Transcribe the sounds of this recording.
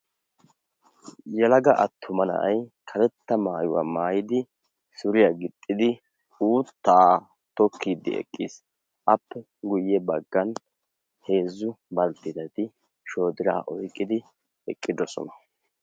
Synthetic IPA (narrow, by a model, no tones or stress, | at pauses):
jɛlɐɡɐʔɐt̪ʰːʊmɐnɐ̰ʔɐjkʰɐlɛt̪ːɐmaːjʊwa̰maːjɪd̪ɪ | sʊɾɪjaɡɪt̪ʼːɪd̪ɪ | uːt̪ːa | t̪ɔkʰːiːd̪ɪ̰ɛ̰kʼːis | ʔɐpːɛ | ɡʊjːɛbɐɡːɐn | he̞ːzːʊbɐlt̪ːɪd̪ɐt̪ɪ | ʃo̞ːd̪ɪɾa̰ːʔɔjkʼːɪd̪ɪ | ɛkʼːɪd̪ɔsɔ̰nɐ